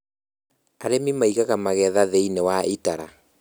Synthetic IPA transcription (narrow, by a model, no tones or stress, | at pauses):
aɾemimaiɣaɣamaɣɛðaðeinewaitaɾa̰